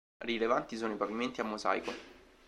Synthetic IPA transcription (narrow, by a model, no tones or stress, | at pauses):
rilevant̪isoːnoipaviment̪iamːoza̰jko